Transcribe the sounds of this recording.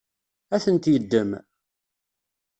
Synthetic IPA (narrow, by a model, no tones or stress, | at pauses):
æθənt̪jəd̪ːəm